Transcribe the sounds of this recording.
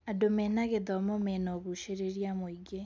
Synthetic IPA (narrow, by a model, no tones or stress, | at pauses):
adomɛnaɣeðɔmomɛnɔɣuʃeɾeɾjamoiɡe